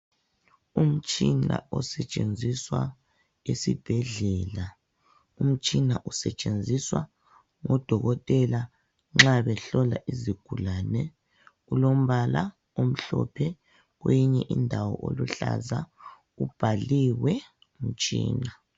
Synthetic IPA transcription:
um̩t͡ʃʼina̰ɔsɛt͡ʃʼend͡zʱiswa | esib̥ʱɛɮɛla | um̩t͡ʃʼinaʔusɛt͡ʃʼend͡zʱiswa | ŋɔd̥ʱɔɣɔtʼɛla | ŋ͡ǁaβɛɬɔlaʔiziɡ̥ʱulanɛ | ulom̩βala | om̩ɬɔ̰pʰɛ | ɣwejiɲɛʔindʱawɔʔo̰luɬa̰za | ub̥ʱaliwɛ | um̩t͡ʃʼḭːna

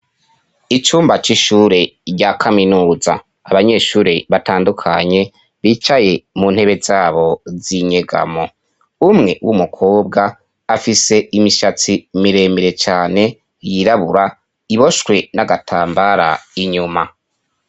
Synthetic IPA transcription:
it͡ʃuːmbat͡ʃiʃuːɾe̞ɾɟakʰaminuːza̰ː | βaɲe̞ʃuːɾeβataːndukʰa̰ɲe̞ | βiːt͡ʃaje̞mun̥he̞βezaːβo̞ziɲe̞ɡa̰mo̞ | umŋe̞wumukʰoːbɡaː | fise̞imiʃat͡simiɾe̞ːmiɾe̞t͡ʃaːne̞ | jiɾaβuɾa | iβo̞ʃwe̞naɡatʰaːmbaɾa̰iɲuma

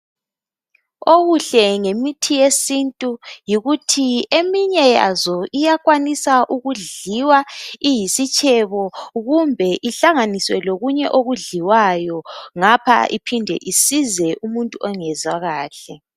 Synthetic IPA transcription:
oɣuɬɛŋemitʰijesintʼujiɣutʰiemiɲɛja̰zɔijaɣʼwanisaʔuɣuɮiwaijisit͡ʃʼɛβɔɣumbʱɛʔiɬaŋaniswɛloɣuɲɛʔoɣuɮiwajɔŋapʰa̰ʔipʰindʱɛ̰ʔisizɛʔumuntʼuʔɔŋɛzaɣaːɬɛ

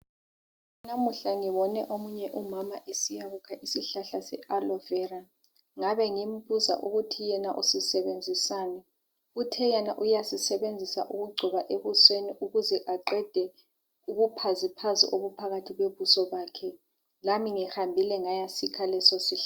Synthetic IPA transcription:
namuɬaŋiβɔnɛʔomuɲɛʔumamaʔesijaβukʰaʔisiɬaɬasɛ̰alɔvɛːra | ŋaβɛŋim̩puza̰ʔuɣutʰijɛnaʔusisɛβend͡zʱisaːnɛ | utʰɛjɛna̰ʔujasisɛβend͡zʱisa̰ʔuɣuɡ͡ǀʱiβaʔeβusweniʔuɣuzɛʔaǃɛd̥ʱɛ | uɣupʰazipʰazḭʔoβupʰaɣatʰiɣweβusɔɓaːkʰɛ | ŋamiŋɛhambʱilɛŋajasikʰalɛsosiɬa

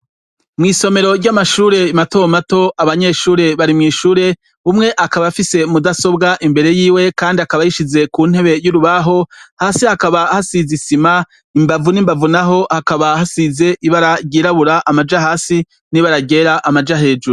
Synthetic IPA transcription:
mŋiːso̞me̞ɾo̞ɾɟamaʃuːɾe̞imato̞mato̞ʔaβaɲe̞ːʃuːɾe̞βaɾimŋiːʃuːɾe̞ | umŋe̞ʔakaβafise̞mudaso̞bɡaʔimbe̞ɾe̞jiːwe̞kaːndiakaβajiʃize̞kun̥e̞βe̞juɾuβaɦo̞haːsihakaβahasizisima | imbavuniːmbavunaɦo̞hakaβahasize̞ʔiβaɾaɾɟiːɾaβuɾaʔamad͡ʒaɦaːsi | niβaɾaɟe̞ɾaʔamad͡ʒaɦe̞ːd͡ʒuɾu

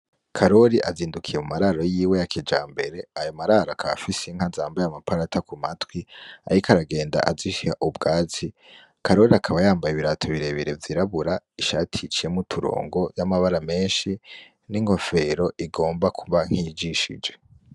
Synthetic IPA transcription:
kʰaɾo̞ɾiʔaziːndukʰijemumaɾaɾo̞jiːwe̞jakʰid͡ʒaːmbe̞ɾe̞ajo̞maɾaɾaakʰaβa̰fiseŋ̥hazaːmbajamapaɾatakumatwia̰ɾikʰaɾaɡe̞ːnda̰ʔaziʃihaʔubɡaːt͡si | kʰaɾo̞ɾiakʰaβajaːmbajiβiɾatʰoβiɾe̞βiɾevjiɾaβuɾaiʃatʰit͡ʃije̞mutʰuɾo̰ːŋɡo̞jamaβaɾame̞ːnʃi | niŋho̞fe̞ɾo̞ʔiɡo̞ːmbakʰuβaŋ̥hid͡ʒiʃḭd͡ʒe̞

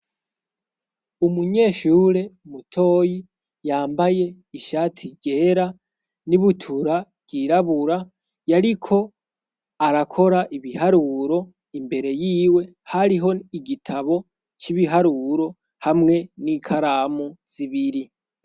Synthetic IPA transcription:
umuɲe̞ːʃuːɾe̞umutʰo̞ːji | jaːmbaje̞ | iʃaːtʰiɟe̞ːɾa | niβutʰuɾabɟiɾaβuɾa | jaɾikʰo̞ | aɾakʰo̞ɾaʔiβihaɾuɾo̞ | imbe̞ɾe̞jiːwe̞ | haɾiɦo̞iɡitʰaβo̞ | t͡ʃiβiɦaɾuːɾo̞ | hamŋe̞nikʰaɾaːmuz̥iβiɾi

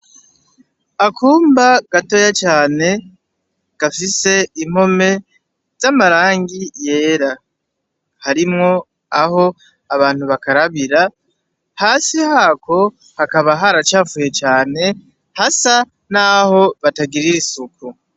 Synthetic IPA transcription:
akʰuːmbaɡ̥ato̞jat͡ʃaːne̞ | ɡ̥afise̞im̥ho̞me̞ | z̥amaɾaːŋɡije̞ːɾa | haɾimŋo̞ | aho̞ | aβaːn̥huβakaɾaβiɾa | haːsihaːkʰo̞ | hakaβaɦaɾat͡ʃaːfuːje̞t͡ʃaːne̞ | hasa | naho̞βataɡiɾiɾisuku

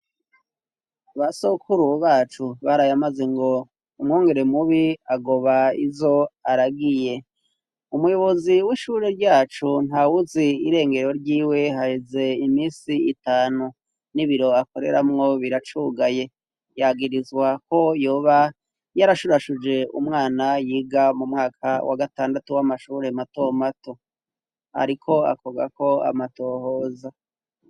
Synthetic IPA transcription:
aβasokʰuɾuβaːt͡ʃuβaɾajamazeŋɡo̞ | umŋoːŋɡe̞ɾe̞muβiaɡo̞βaizo̞aɾaɡije̞ | umujo̞βo̞ziwiʃuɾe̞ɾɟaːt͡ʃun̥hawuziiɾe̞ːŋɡe̞ɾo̞ɾɟiːwe̞ɦaheze̞imiːsiitaːnu | niβiɾo̞ako̞ɾe̞̰ɾamŋo̞βiɾat͡ʃuɡaje̞ | jaɡiɾizwako̞jo̞ːβa | jaɾaʃuɾaʃud͡ʒe̞ṵmŋaːnajiːɡamumŋaːkʰawʔa̰ɡataːndatuwamaʃuɾe̞mato̞mato̞ | a̰ɾikʰo̞a̰koɡa̰ko̞a̰mato̞ːhoːza

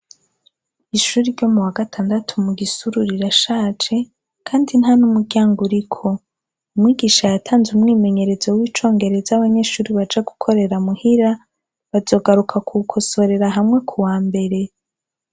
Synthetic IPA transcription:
iʃuːɾiɾɟo̞muwaɡatʰaːndatʰumuɡisuɾuɾiɾaʃaːt͡ʃe̞ | kʰaːndinɦanumuɾɟaːŋɡuɾikʰo̞ | umŋiːɡiːʃajatʰaːnzumŋiːme̞ɲe̞ɾe̞zowiːt͡ʃo̞ːŋɡe̞ɾe̞zaβaɲe̞ʃuːɾiβad͡ʒaɡukʰo̞ɾe̞ɾamuhiɾa | βazo̞ːɡaɾukʰakʰukʰo̞so̞ɾe̞ɾaɦamŋe̞kʰuwaːmbe̞ɾe̞

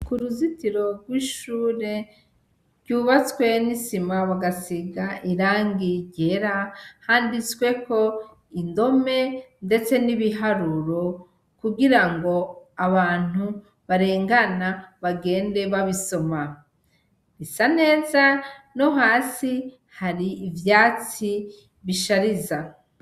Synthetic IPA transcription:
kuɾuzitiɾo̞ɡwiʃuːɾe̞ | ɾɟuːβat͡swe̞nisimaβaɡasiɡaʔiɾaːŋɡiɟe̞ɾahaːndit͡swe̞ko̞ | indo̞me̞nde̞t͡se̞niβiɦaɾuɾo̞ | kuɡiɾaŋɡo̞aβaːn̥u | βaɾe̞ːŋɡanaβaɡe̞ːnde̞βaβiso̞ma | ɾisane̞ːzano̞ɦaːsi | haɾiːvjaːt͡si | βiʃaɾiza

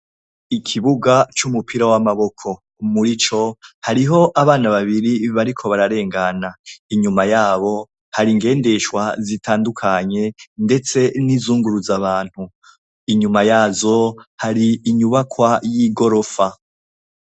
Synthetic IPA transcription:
ikʰiβuɡat͡ʃumupʰiɾawamaβo̞kʰo̞ | umuɾit͡ʃo̞haɾiɦo̞ʔaβaːnaβaβiɾiβaɾikʰo̞βaɾaɾe̞ːŋɡanaiɲumajaːβo̞ | haɾiŋɡe̞ːnde̞ʃwazitʰaːndukʰaɲe̞nde̞t͡se̞nizuːŋɡuɾuzaβaːn̥hu | iɲumajaːzo̞haɾiːɲuβakwajiɡo̞ɾo̞fa

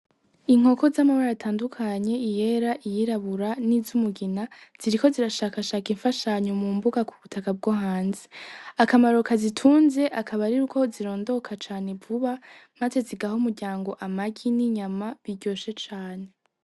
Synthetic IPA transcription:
iŋ̥o̞ko̞zamaβaɾaːtʰaːndukʰaɲe̞ije̞ɾaʔijiɾaβuɾanizumuɡinaz̥iɾiko̞ziɾaʃakaʃaːkiɱfaʃaɲomumbuɡakuβutʰakab̚ɡoɦaːnzeakamaɾo̞kazitʰuːnze̞ʔakʰaβaɾiɾukʰo̞ziɾo̞ːndo̞kʰat͡ʃaːne̞vuβa | maze̞ziɡahomuɾɟaːŋɡo̞ʔamaɡiniɲamaβiɟo̞ːʃe̞t͡ʃaːne̞

